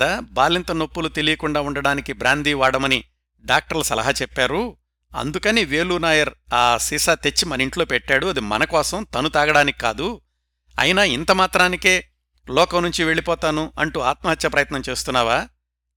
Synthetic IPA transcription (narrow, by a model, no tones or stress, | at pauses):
abaːlint̪ɐno̞pːulut̪e̞lijɐkuɳɖaːuɳɖɐɽaːnikibɾaːnd̪iːʋaːɽɐmɐni | ɖaːk̚ʈɐɾlɐsɐlɐ̰ɦɐt͡ʃɛpːaːɾu | ɐ̰nd̪ukɐniʋeːluːnaːjɐɾaːsisaːt̪et͡ʃːimɐnɐiɳʈloːpɛʈːaːɽuɐd̪imɐ̰nɐkɔːsɐmt̪ɐnut̪aːɡɐɽaːnikikaːd̪u | ɐ̰jinaːint̪ɐmaːt̪ɾaːnike̞ː | lɔːkɐmnuɲt͡ʃiʋe̞ɭipɔːt̪aːnuɐɳʈuaːt̪mɐɦɐt̪jɐpɾɐjɐt̪nɐmt͡ʃe̞ːst̪unːaːʋaː